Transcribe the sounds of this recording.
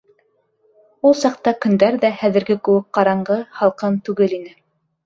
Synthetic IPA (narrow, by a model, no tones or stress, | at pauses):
ulˠsɑq̚t̪ɑkɵ̆nd̪æɾðæhæðɘ̆ɾɡɘkɵ̆wɘk̚qɑɾɑɴɢɤhɑlˠqɤnt̪ʉɡɘlinɘ